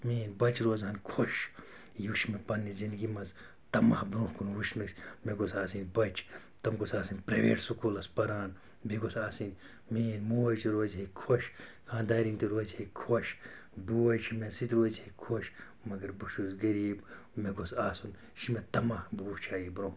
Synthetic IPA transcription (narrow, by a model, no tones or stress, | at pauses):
miːnbɐt͡ʃɾoːzhɐnkʰoʃ | juʃmepɐnːizind̪ɡimɐz | t̪ɐma̰hbɾõːhkunwuʃnɨsʲmeɡosaːsinbɐt͡ʃʰ | t̪ɐmɡosaːsinʲpɾɐʋḛːʈsukuːlɐspɐɾaːn | bʱiɡosaːsinʲ | miːnmuwɐt͡ʃʰiɾoːzɦekʰoʃkʰãːnd̪aːɾint̪iɾozhekʰoʃ | buwɐt͡ʃʰimesit̪ʲɾoːzhekʰoʃ | mɐɡɐɾbuʃuzɡɐɾiːb | meɡosaːsun | ʃimet̪ɐmaːhbuːt͡ʃʰaːjibɾõː